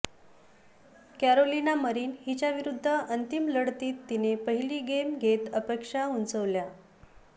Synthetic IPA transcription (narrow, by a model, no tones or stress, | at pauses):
kæɾolinaməɾiːnɦit͡ɕjaʋiɾud̪ʱːəʔənt̪imləɽt̪iːt̪ːinepəɦiliːɡemɡʱet̪əpekʂaunt͡səʋlja